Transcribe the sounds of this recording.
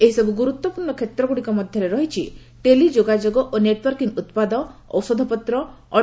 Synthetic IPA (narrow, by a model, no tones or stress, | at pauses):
eɦisɔbʱuɡuɾut̪wɔpuɾɳɔkʰet̪ɾɔɡuɽikɔmɔd̪ʱjɔɾeɾɔɦit͡ʃʰi | ʈelid͡ʒoɡad͡ʒoɡɔʔoneʈwɔɾkiŋut̪pad̪ɔɔ̰wsɔd̪ʱɔpɔt̪ɾɔ | ɔ